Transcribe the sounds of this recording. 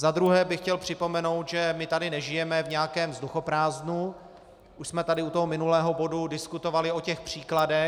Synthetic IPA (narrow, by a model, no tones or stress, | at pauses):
zad̪ɾuɦɛːbɪxcɛlpr̝̥ɪpo̞mɛno̞wt̪ʒɛmɪt̪adɪnɛʒɪjɛmɛvɲɛjakɛːmzduxo̞pɾaːznu | ʔuʃsmɛt̪adɪut̪oɦomɪnulɛːɦo̞bo̞dudɪskut̪o̞valɪo̞cɛxpr̝̥iːkladɛ